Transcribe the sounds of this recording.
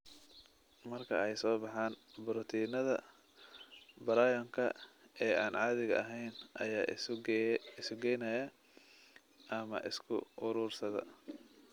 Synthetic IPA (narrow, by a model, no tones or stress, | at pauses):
mɐrkʰɐ̰ɛjsɔːbɑħaːnbʊɾɔt̪ʰiːnɐðɐ | bɐɾaːjɔŋkʰɐ̰ɛːaːnʕɑːðɪɣɐ̰ʔɐɦɛjnʔɐ̰jaː | ɪsɡɛjnɐjɐ | ʔɐmɐ̰ʔɪ̰skʰʊ̰ʔʊɾuːrsɐðɐ̰